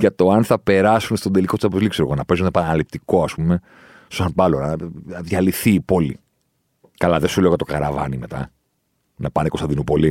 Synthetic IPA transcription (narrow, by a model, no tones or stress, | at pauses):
ʝɐt̪o̞ɐnθɐpe̞ɾɐsunst̪od̪eliko̞t̪isɐpozlikseɾɣonɐpe̞zunepɐnɐlip̚t̪iko̞ɐspume̞ | sosɐnpɐlonɐðʝɐliθiːpo̞lḭ | kɐlɐðesuleɣɐt̪o̞kɐɾɐvɐ̰nime̞t̪ɐ̰ | nɐpɐnekost̪ɐnd̪inupo̞li